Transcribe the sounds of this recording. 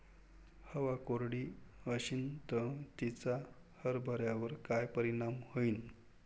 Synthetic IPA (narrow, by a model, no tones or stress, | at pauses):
həʋakoɾɽiːəɕint̪ət̪it͡sa | həɾbʱəɾjaʋəɾkajpəɾiɽ̃amhəin